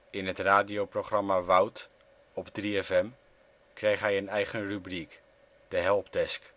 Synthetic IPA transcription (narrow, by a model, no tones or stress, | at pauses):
ɪnətraːdiowproχrɑmaʋawt | ɔpdriɛfɛm | krejχɦɛjənɛjχənrybrik | d̥əɦɛlˠpdɛsk